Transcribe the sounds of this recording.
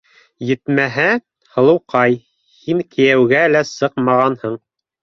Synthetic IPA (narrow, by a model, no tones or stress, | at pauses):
jɘ̆t̪mæɦæ | hɤ̆lˠɤ̆wqʰɑj | hiŋkʰɘ̆jæwɡælæsɤqmɑʁɑnhɤɴ